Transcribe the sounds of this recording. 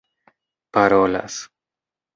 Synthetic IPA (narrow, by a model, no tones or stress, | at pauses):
paɾola̰s